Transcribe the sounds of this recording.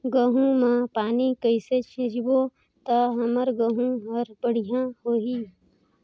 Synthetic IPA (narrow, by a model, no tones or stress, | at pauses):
ɡəɦũmãpaːnikəɪset͡ʃʰɪ̃d͡ʒbo | t̪aɦəməɾɡəɦũɦəɾbəɽ̤ijãɦoːɦiː